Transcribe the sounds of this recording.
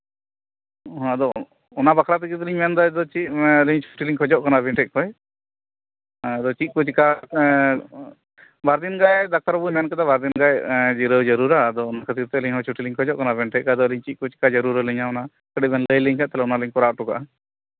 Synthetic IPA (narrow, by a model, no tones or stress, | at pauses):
ɦd̪ɔ | ɔnabakʰɾat̪ikit̪̬liɲmand̪ad̪ɔt͡ʃiliɲt͡ʃʰuʈiliŋkʰɔd͡ʒɔʔkanabʱɛɳʈɛk̚kɔj | d̪ɔt͡ʃiʔ̪̚kut͡ʃka | baɾd̪inɡajd̪ak̚t̪aɾbujmɛnkɛd̪abaɾd̪inɡajd͡ʒiɾəd͡ʒəɾuɾad̪ɔːnakʰət̪iɾt̪ɛliɲɦɔ̃t͡ʃʰuʈiliŋkʰɔd͡ʒɔʔkanabʱɛɳʈɛkad̪ɔliɲt͡ʃiʔ̪̚kut͡ʃkad͡ʒəɾuɾələɲaɔna | kəɖɛbɛnləjliɲkʰaʔt̪ɛlɛɔnaləɲkɔɾaʈuka̰ʔ